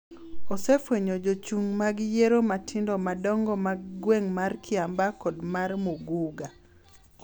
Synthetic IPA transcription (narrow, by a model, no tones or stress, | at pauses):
ɔsefweɲod͡ʒot͡ʃuŋmaɡjeɾomatʰɪndɔmadɔŋɡɔmaɡɡweŋmarkʰɪambakɔdmarmuɡuɡa